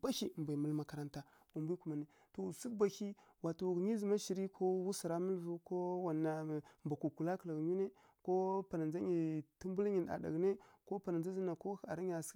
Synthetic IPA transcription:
ba˦hi˨m˨ba˨mu˦lma˨ka˨ɾa˦nta˦ | wa˨mbi˦ku˨ma˨ne˨ | to˨si˦kba˨hi˦ | wa˨tu˨ɡɲi˦zi˨ma˦ʃi˨ɾi˦kʰo˦wu˦si˨ɾa˦mu˦lvu˦ko˦wa˨nːa˨mba˨ku˨ku˨la˦kla˨ɡɲu˦ne˦ | ko˦pa˨na˨nd͡ʒa˦ɲi˨ti˦mbu˦lɲi˨na̰˨da̰˨ɡne˦ko˦pa˨n˨nd͡za˦zi˦na˨ko˦a̰˨ɾi˦ɲ˦a˨s

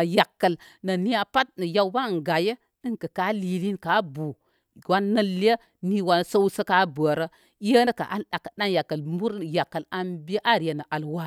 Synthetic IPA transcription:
ja˨kːə˨l | nə˨ni˦a˨pa˦t̚nə˨ja˦wba˦˨ŋ˨ɡa˨je˦ | ə˦nkə˨ka˦li˨˦li˦nka˦bu˨ | wa˦nːə˦lːə˦ | ni˦wa˨n˨sə˦wsə˦ka˦bə˨ɾə˦ | ə˦nə˦ka̰˨ʔa̰˦nɗa˨kːə˨ɗa˦nja˨kːə˨lmu˦ɾja˨kːə˨la˦nbe˦ʔa˦˨ɾjə˨nə˨ʔa˨lwa˦

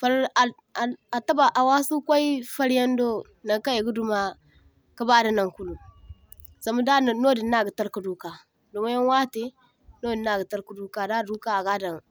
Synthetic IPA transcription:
fa˨ɾa˨ | a˨a˨ta˦ba˨ʔa˨wa˦su˦kʷa˦i˦fa˦ɾja˦n˦do˦ | na˨ka˦je˨ɡu˦du˦ma˨ | ka˦ba˦da˨na˨ŋku˦lu˨ | za˨ma˦da˦˨no˦di˨na˦˨ɡi˨ta˦ɾku˨du˦ka˨ | do˨ma˦ja˦nwa˦te˦ | no˦di˨na˨ɡi˨ta˦ɾku˨du˦ka˨da˦˨du˦ka˦a˨ɡa˦da˨ŋ

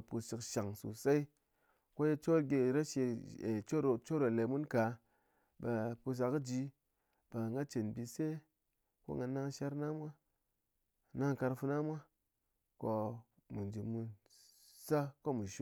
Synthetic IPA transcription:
pu˧si˨kʃa˨ŋsṵ˨sa˦i˦ | ko˦je˧t͡ʃo˦ɾɡʲe˧ɾa˦ʃe˧e˨t͡ʃo˦ɾt͡ʃo˦ɾo˨le˨mu˦nka˨˦ | ba˨pu˧s̬a˨kɨ˦d͡ʒi˧ | b̥a˨ŋɡa˦t͡ʃe˨nbi˧se˦ | ko̰˦ŋɡa˧na˦ŋʃa˦ɾna˦mʷa˦ | na˦ŋka˧ɾfu˧na˦mʷa˦ | ko˧ | mu˨nd͡ʒi˨mu˧n | sa˦ko˦mu˨ʃu˦

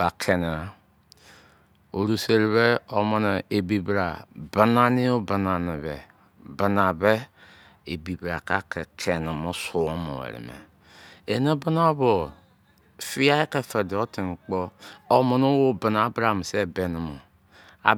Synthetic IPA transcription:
a˨kʰe˨n˨a˨ | o˨ɾu˨se˦ɾi˨βe˦o˦mo˦ne˨e˨bi˨bɾa˨ba˨na˦ni˦o˦ba˨na˨ni˨βḛ˨ | ba˨na˨be˦ | e˨bi˨bɾa˨ka˦kʰe˨kʰe˨n˨mo˦su˨o˦mo̰˨ḛ˨ɾḭ˨mḛ˨ | e˨ne˦ba˦na˦o˦βo˨ | fi˦ja˦e˦ke˨fe˨de˨o˦ti˨ŋ̩˨k͡po˦o˨mo˨no˦wo˦ba˨na˨a˦bɾa˨a˨m˨se˦˨be˨nu˨mo˨ | a̰˨˦

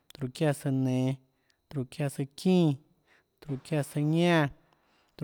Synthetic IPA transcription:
t̪ɾu˧kja˧sə˧nẽ˨˧ | t̪ɾu˧kja˦˧sɨ˧kĩ˦˧ | t̪ɾu˧kja˦˧sə˧ɲã˦˨ | t̪

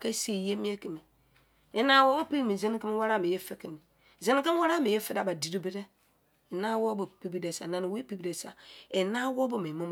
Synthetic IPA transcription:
ke˦si˦˨je˦mi˦e˦ki˨mi˨ | e˦na˦wo˦bo˦pi˦ɾi˦˨mi˨ze˦n˦ki˦m˦wa˦ɾa˦˨mi˨je˦fe˦ki˨mi˨ | ze˦nɪ˦ke˦wa˦ɾa˦˨mi˨je˦fe˦da˨ba˨di˨ɾu˦bi˦de˦ | e˨na˦wo˦bo˨pi˦bi˦de˨sa˨na˨ni˨we˦pi˦bi˦de˨sa˨e˨na˦wo˦bo˦me˨mo˦m˨

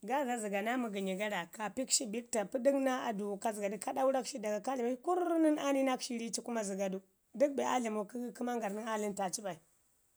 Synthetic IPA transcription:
ɡa˦za˦zi˨ɡa˨na˦mu˨ɡi˨ɲi˨ɡa˦da˨ka˨pi˦kʃi˦bi˦k̚ta˨pu˦di˦kna˦a˨du˨ka˨zi˨ɡa˨di˦ka˦da˦u˦ɾa˦kʃi˦da˨ɡa˨ka˦li˨ma˦ku˦ɾni˦na˦ni˦na˦kʃi˦ɾi˦t͡ʃi˦ku˦ma˦zi˨ɡa˨du˦ | di˦k̚be˨ʔa̰˦li˨mu˨kku˦ma˦ŋɡa˨ɾni˦a˦li˦nta˨t͡ʃi˦ba˨i˨

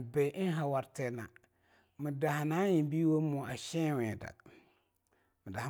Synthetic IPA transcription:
bɛ˨ʔɪ˦ɦa˨wa˨ɾtɛ˦na˨ | mɪ˨da˨ha˨na˦ji˨˦bi˦wo˦mɔ˨a˨ʃɛ˦wɛ̃˨da̰˨ | mɪ˨da˨h

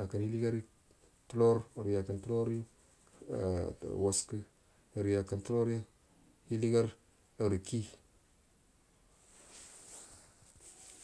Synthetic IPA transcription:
a˨ka˨nhi˦li˦ɡa˦ɾi˦ | tu˦lo˦ɾɾja˨kə˨ntu˦lo˦ɾ | wa˨skə˦˨ | ɾi˨ja˨kə˨ntu˦lo˦ɾa˦ | hi˦li˦ɡa˦ɾ | ə˨ɾki˦

